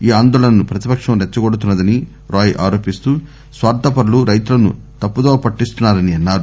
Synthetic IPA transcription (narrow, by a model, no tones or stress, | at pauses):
iːaːnd̪ɔːɭɐnɐnupɾɐt̪ipɐkʂɐmɾɛt͡ʃːɐɡɔɽut̪unːɐd̪ɐni | ɾaːjʔaːɾoːpist̪uː | sʋaːɾt̪ʰɐpɐɾuluɾɐjt̪ulɐnṵ | t̪ɐpːud̪oːpɐʈːist̪unːaːɾɐniɐnːaːɾu